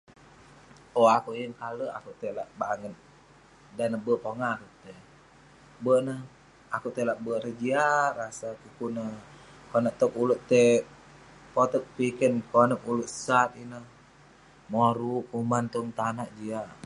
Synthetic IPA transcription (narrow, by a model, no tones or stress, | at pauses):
oakuʔjəŋkaləa̰kuʔt̪elaʔbaŋət̪̚ | danəbəpoŋakuʔt̪e | bəʔnəh | akuʔt̪elaʔbəʔɾəd͡ʒiarasakukunə | konəʔt̪əkuluʔt̪e | pot̪ək̚pikənkonəkuluʔsat̪̚inəh | moɾuumant̪uŋt̪anaʔd͡ʒia